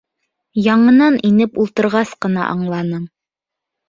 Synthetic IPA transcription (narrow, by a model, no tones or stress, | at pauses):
jɑɴɤ̆nɑnʔinɘpulˠt̪ɤ̆ɾʁɑsqɤ̆nɑ̰ʔɑ̰ɴlˠɑnɤɴ